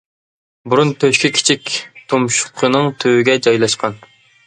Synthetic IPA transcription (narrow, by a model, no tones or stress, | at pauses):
buɾunt̪ʰøʃkʲikʲʰi̥t͡ʃʰik̚ʲt̪ʰomʃʊ̥qʰənɨŋt̪ʰøwɪɡʲɛd͡ʒɑjlˠɑʃqʰɑn